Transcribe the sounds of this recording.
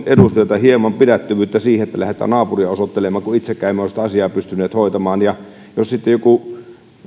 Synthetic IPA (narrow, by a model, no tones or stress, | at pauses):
edust̪øt̪ɑhiemɑmpidæt̪ːyʋyːt̪ːæsiːheet̪ːælæhet̪ˑæ̰ːnɑːpuriɑosot̪ːelemˑɑːŋkuit̪sekːˑæˑimeolsi̥t̪æɑsiɑːpyst̪ynːˑeːt̪hoˑit̪ɑmɑːnjɑ | jossit̪ːejoku